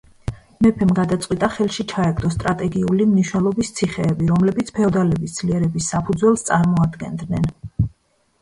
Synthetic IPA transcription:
mɛpʰɛmɡad̪at̪sʼqʼwit̪ʼaχɛlˠʃit͡ʃʰaɛɡd̪ɔst̪ʼɾat̪ʼɛɡiulimniʃwnɛlˠɔbist̪sʰiχɛːbiɾɔmlɛbit̪sʰpʰɛɔd̪alɛbisd̪z̥liɛɾɛbisːapʰud̪zwɛlˠst̪sʼaɾmɔad̪ɡɛ̰nd̪nɛn

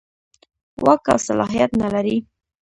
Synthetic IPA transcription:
waka̰wsalɑɦijat̪nalaɾi

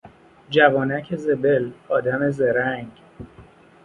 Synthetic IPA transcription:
d͡ʒævɒːnæcʰeze̞be̞lɒːd̪æme̞zeɾæŋɡ

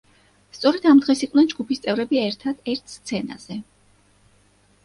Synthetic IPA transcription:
st̪sʼɔɾɛd̪amd̪ʁɛsiqʼvnɛnd͡ʒɡupist̪sʼɛvɾɛbiɛɾt̪ʰad̪̥ɛɾt̪ʰst̪sʰɛna̰z̥ɛ

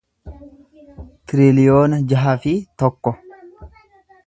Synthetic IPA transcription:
t̪ɪɾɪlɪjoːnɐd͡ʒɐɦɐfɪt̪ɔkːɔ

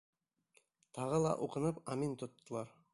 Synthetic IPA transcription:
t̪ʰɑʁɤlˠɑ̰ʔuqɤ̆nɤpɑmint̪ŏt̪ːɤ̆lˠɑɾ

